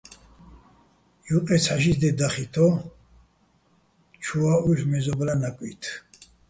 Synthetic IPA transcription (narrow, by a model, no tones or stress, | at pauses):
juqʼɛsʰaʃisd̪ɛd̪aχit̪ʰɔ | t͡ʃʰuauʒmɛzɔblanakʼwḭt̪ʰ